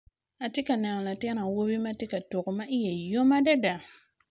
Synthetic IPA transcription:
a˨tɪ˦ka˨naː˨ŋ˨la˨tɛ˦na˨wo˦bi˦ma˦tɪ˦ka˨tʊ˨ɣʊ˨ma˦ʔɪ˦jɛ˨jo˦ma˦da˦da˨

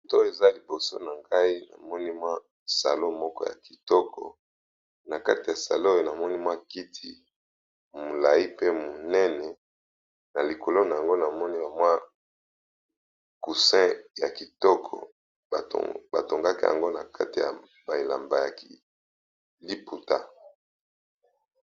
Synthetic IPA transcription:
to˦˨e˨za˦li˨bo˨so̰˦na˨ŋɡa˦i˦na̰˨mɔ˦ni˦mwa˦ | sa̰˨lo˦mɔ˦kɔ̰˦ja̰˨ki˨tɔ˦kʰɔ̰˨ | na˨ka˦ti˨ja˨sa̰˨lo˦jo˦˨na˨mɔ˦ni˦mwa˦ki˦tʰi˦ | mo˨la˨i˦pe˦mo˨nɛ˦nɛ˨ | na˨li˨kʰo˨lo˦na˨a˨ŋɡo˦na˨mɔ˦ni˦la˨mwa˦ | ku˨sɛ̃˦ja˨ki˨tɔ˦kʰɔ̰˨ | ba˨to˨ŋɡa˦ke˦ja̰˨ŋɡo˦na˨kʰa˦ti˨ja̰˨ | ba˨e˨la̰˨mba˨ja˨ki˨ | li˦pu˨ta̰˦

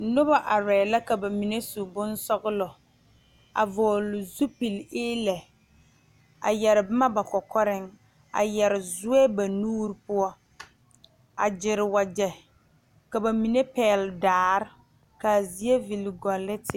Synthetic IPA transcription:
nʊ˦ba˦ʔa˨ɾɛː˨la˦ka˨ba˨mi˨ne˦su˨bʊ˦nsɔ˦ɣʊ˦lɔ˨ | a̰˨vɔː˨lʊ˨zu˦pi˨lɪː˦lɛ˨ | a̰˨jɛ˨ɾɪ˨bɪ˦ma˦ba˨kɔ˨kɔ˦ɾɪ˦ŋ | a̰˨jɛ˨ɾɪ˨zʊ˦ɛ˦ba˨nuː˦ɾpʊ˦ɔ˦ | a˨d͡ʒɪ˨ɾɪ˨wa˨d͡ʒɛ˨ | ka˨ba˨mi˨ne˦pɛː˨ldaː˨˦ɾɪ˦ | ka˨zi˨e˦vi˨lɡɔ˨lːɪ˦tɪ˨

